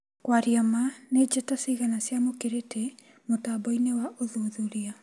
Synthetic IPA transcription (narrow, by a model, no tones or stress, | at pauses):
kwaɾiamaned͡ʒɛtasiɣanasjamokeɾetʰɛ | motabɔinewaʔoðuðuɾia